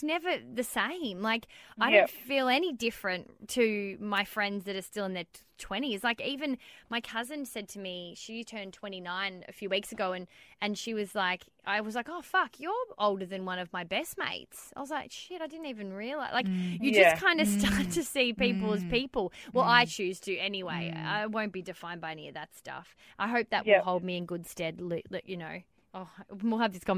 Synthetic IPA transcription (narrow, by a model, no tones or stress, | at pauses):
nɛvə˞ðɨsẽɪ̃mlaɪkaɪɾõʊ̃nfilˠɛnidɪfɹɨ̃ntʰɨmaɪfɹɛ̃ndzðɨɾə˞stɪlˠə̃nðətʰw̥ɛ̃ɾ̃iɨzlaɪkivɨ̃nmaɪkʰʌzɨ̃nsɛd̚tʰɨmiʃi̥tʰɜ̃˞ntʰw̥ɛ̃ɾ̃inãɪ̃nɨ̰fjʉwiksɨɡoʊɨ̃nɨ̃nʃiwʌzlaɪk | ʔa̰ɪwʌzlaɪkoʊfʌkʰjə˞ʔoʊlˠdə˞ðɨ̃nwʌ̃nʌvmaɪbɛst̚mḛɪtsaɪwʌzlaɪkʃɪɾaɪdɪdⁿn̩tivɨ̃nɹiɨlˠaɪlaɪkjɨd͡ʒʌskʰãɪ̃ndɨstɑɹtʰɨsipipl̩ˠəz̥pipl̩ˠwɛlˠaɪt͡ʃʰʉz̥tʰɨɛniweɪa̰ɪwõʊ̃nb̥idɨfãɪ̃nbaɪɛniʌvðɨtstʌ̰f | ʔaɪɦoʊp̚ðɨ̰ʔ̚ɨlˠɦoʊlˠd̚miɨ̃nɡʊd̥stɛdˡlɪlɪkjɨnoʊ | oʊwilˠɨvðɪskʰɑ̃m